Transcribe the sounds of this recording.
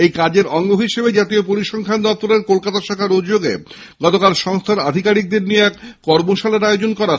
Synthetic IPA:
ejkad͡ʑeɾɔŋɡoɦiʃebed͡ʑat̪iopoɾiʃɔŋkʰand̪ɔp̚t̪oɾeɾkolkat̪aʃakʰaɾod͡ʑd͡ʑoɡḛ | ɡɔt̪okalʃɔŋst̪ʰaɾa̰d̪ʱikaɾik̚d̪eɾnijeɛkkɔɾmoʃaleɾaeod͡ʑonkɔɾa

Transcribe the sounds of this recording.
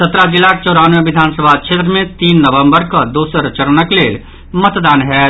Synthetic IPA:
sət̪ɾaɡɪlaːk̚t͡ʃɔːɾaːnʋẽʋɪd̪ʱaːnsəbʱakʃeːt̪ɾəmẽt̪iːnːəʋə̃mbəɾkad̪uːsɾt͡ʃəɾnəkleːl | mət̪d̪aːnɦɛː

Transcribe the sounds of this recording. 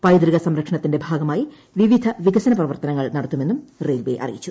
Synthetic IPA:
pɐjd̪ɾiɣɐsɐmɾɐkʂɐɳɐt̪ːinde̞bʱaːɡɐmaːji | ʋiʋid̪ʱɐʋiɡɐsɐnɐprɐʋɐrt̪ɐnɐŋːɐɭnɐɽɐt̪ːume̞nːumrejlbeʔɐ̰rḭjit͡ɕːu

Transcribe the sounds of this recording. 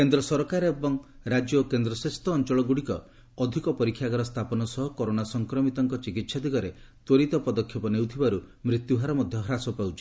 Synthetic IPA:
kend̪ɾɔsɔɾkaɾebɔŋ | ɾad͡ʒjɔkend̪ɾɔsɾest̪ʰɔːnt͡ʃɔɭɔɡuɽikɔ̰ | ɔd̪ʱikɔpɔɾikʰːjaɡɔɾɔst̪ʰapɔnɔsɔɦɔkɔɾonasɔŋkɾɔmit̪ɔŋkɔt͡ʃikit̪sad̪iɡɔɾe | t̪woɾit̪ɔpɔd̪ɔkʰːjɔpɔnewt̪ʰibaɾu | mɾit̪juɦaɾɔmɔd̪ʱjɔɦɔɾasɔpawt͡ʃʰi̥

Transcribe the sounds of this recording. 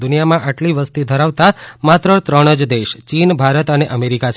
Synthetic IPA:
unijamãʔaʈliʋəst̪id̪ʱəɾaʋt̪amat̪ɾət̪ɾəɽ̃əd͡ʒd̪eʃt͡ʃinbʱaɾət̪əneʔəmeɾikat͡ʃʰ

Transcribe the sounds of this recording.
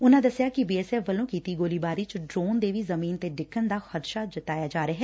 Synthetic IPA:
ʊnãːd̪əsɪjaːkɪbiːɛːsɛːfʋəlõːkiːt̪iːɡoːliːbaːɾiːt͡ʃɖɾoːnd̪eːʋiːzəmiːnt̪eːɖɪkʰːənd̪aːxəd̪ʃaːd͡ʒɪt̪aːjaːd͡ʒaːɾaːɦɛː

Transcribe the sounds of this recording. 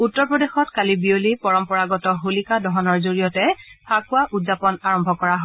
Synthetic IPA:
utːɔɹpɹɔdexɔtkalibiolipɔɹɔmpɔɹaɡɔtɔɦolikadɔɦɔnɔɹzoɹijɔtɛpʰakʊwaʔutzapɔnaɹɔmbʱɔkɔɹaɦɔ

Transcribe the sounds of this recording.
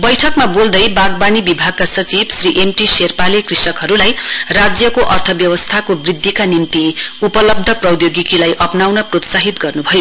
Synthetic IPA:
bʌjʈʰʌkmabold̪ʌjbaɡbanibibʱaɡ̚kasʌt͡sibsriʔemʈiserpalekrisʌkɦʌɾulajrad͡zjʌkoʔʌrt̪ʰʌbjʌwʌst̪ʰakobrid̪ʱːikanimt̪iupʌlʌb̚d̪ʱʌprʌwjoɡikilajʔʌpnawnʌprot̪saɦit̪ɡʌrnubʱʌjo

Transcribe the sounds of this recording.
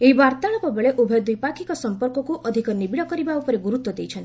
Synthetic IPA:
eɦibaɾt̪aɭɔkɔbeɭeʔubʱɔjd̪ujpakʰikɔsɔmpɔɾkɔkuʔɔd̪ʱikɔnibiɽɔkɔɾibaupɔɾeɡuɾut̪wɔd̪ejt͡ʃʰɔnt̪i

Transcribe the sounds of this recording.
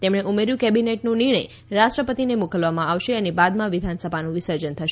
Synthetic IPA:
t̪emɽ̃eʔumeɾjũkɛbineʈnũniɾɳ̃əj | ɾaʃʈɾəpət̪inemukəlʋamãaʋʃeənebad̪mãʋid̪ʱansəbʱanũʋisəɾd͡ʒənt̪ʰəʃ

